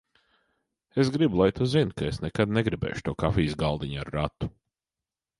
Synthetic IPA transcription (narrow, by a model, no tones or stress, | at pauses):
esɡɾibulˠajt̪uzinkaesnɛkad̪neɡɾibḛːʃu̥t̪uɔkafiːsɡalˠd̪iɲaɾːat̪ːu̥